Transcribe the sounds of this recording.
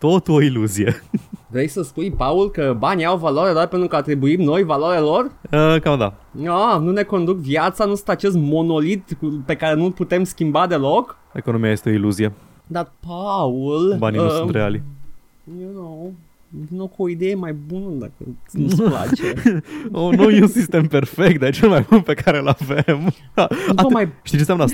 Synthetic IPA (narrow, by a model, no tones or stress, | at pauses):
t̪ot̪oiluzievɾejsəspujpaulkəbaniawvalaɾelorpent̪ɾukəat̪ɾibuimno̞jvalaɾelo̞rəkamd̪a̰anune̞ko̞nd̪ukvjat̪sanusɨ̥̃nt̪at͡ʃe̞st̪mo̞no̞lit̪kupe̞kaɾe̞nulput̪e̞mskʲimbad̪e̞lok | ekono̞mijaje̞st̪eo̞iluzie | d̪at̪paulba̰ninussnɾea̰li | jonow | junowkuoid̪e̞jemajbunəd̪a̰kə̰nla̰t͡ʃe | onowjeunsist̪e̞mpe̞rfek̚t̪̚d̪et͡ʃelmajbunpe̞kaɾelavem | aomajʃt̪it͡ʃesanə